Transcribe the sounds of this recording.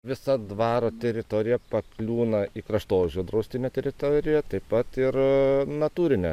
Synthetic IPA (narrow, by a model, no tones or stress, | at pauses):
ʋʲɪsɐd̪ʋɑːɾoːt̪ʲɛɾʲɪt̪oːɾʲɪjɛpɐklʲuːnɐiːkɾɐʃt̪oːʒʲoːd̪ɾɐʊsʲt̪ʲɪnʲɛːt̪ʲɛɾʲɪt̪oːɾʲɪjɛt̪ɐɪpɐt̪ɪɾnɐt̪uːɾʲɪnʲɛ